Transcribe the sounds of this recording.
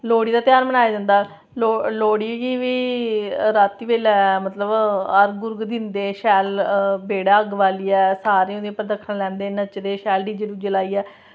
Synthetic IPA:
loːɽiːd̪aːt̪jaːɾbənaːjaːd͡ʒãnd̪aː | loloːɽiːɡiːʋiː | ɾaːt̪iʋeːlɛmət̪ləbəɾɡʊɾɡd̪ɪnd̪eːʃɛːlbeːɽaːəɡʋaːliːɛːsaːɾeːõd̪eːəpːəɾd̪əkʰənlɛ̃ːnd̪eːnət͡ʃd̪eːʃɛːlɖiːd͡ʒəɽũːd͡ʒəlaːiːɛː

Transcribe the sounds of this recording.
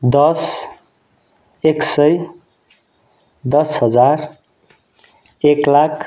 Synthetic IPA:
d̪ʌs | eksʌj | d̪ʌsɦʌd͡zar | eklakʰ

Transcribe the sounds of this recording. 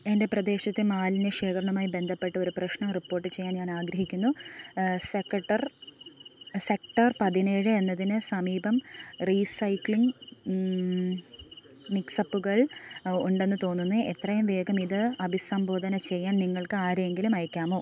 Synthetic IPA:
e̞nde̞prɐd̪e̞ːɕɐt̪ːɨmaːlinɨʂeːkɐɾɐɳɐmaːjibe̞nd̪ʱɐpːe̞ʈːɐo̞ɾuprɐɕɳɐmripːo̞ːrʈːɨt͡ɕe̞jːaːnɲaːnaːɡɾɐɦikʲːunːu | sekːɐʈːɐr | se̞k̚ʈɐrpɐðineːɻɨe̞nːɐðinɨsɐmiːbɐmriːsɐjkɭiŋɡ | miksɐpːuɣɐɭuɳɖe̞nːɨt̪o̞ːnːunːɨet̪rɐjumʋe̞ːɡɐmiðɨɐbʱisɐmbʱo̞ːd̪ʱɐnɐt͡ɕe̞jːaːnniŋːɐɭkɨaːɾeŋɡilumɐjɐkʲːaːmo̞ː

